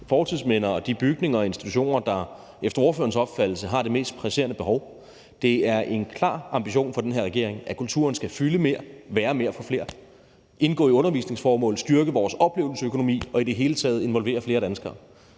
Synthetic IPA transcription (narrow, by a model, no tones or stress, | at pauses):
fɒːt͡sʰiðˠsmenɐɒd̥ib̥yɡ̥ne̝ŋɐe̝nsd̥i̥t͡sʰuɕo̝̰ːnɐd̥ɑ̈ | efd̥ɐo̝ːɐfø̰ɐn̩sɒ̽b̥fæd̥l̩səɦɑ̈d̥e̝me̝̰ːsd̥̚pʰʁæse̝̰ːɐnəb̥e̝ɦɒʊ | d̥e̝æɐʔe̝nkʰlɑ̰̈ːɑ̈mb̥iɕo̝̰ːnfɒ̽d̥enɦeɐ̰ʁɛɡ̥e̝ɐ̰eŋʔækʰult͡sʰṵɐnsɡ̥æfyləme̝ɐʋæːɐme̝ɐfɒ̽fle̝ːɐ | ʔe̝nɡ̥ɔ̰ːiɔ̽nɐʋḭːsne̝ŋsfɒːmɔ̰̽ːl̩ð̩ˠsd̥yɐɡ̥əʋɒːsɒ̽b̥le̝̰ʊl̩əsəøkʰo̝no̝mḭːɒ̽id̥e̝ɦe̝ːlət͡sʰɛ̰ːð̞̩ˠe̝nʋɒ̽lʋe̝̰ːɐfle̝ːɐɾ̥ænsɡ̥ɐː